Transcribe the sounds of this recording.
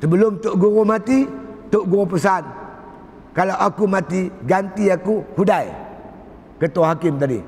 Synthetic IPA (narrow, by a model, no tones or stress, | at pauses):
səbəlʊmt̪ʊʔɡuɾumat̪it̪ʊʔɡuɾupəs̬an | kalawakumat̪iɡant̪iakuhudaj | kət̪ohakɪmt̪adḭ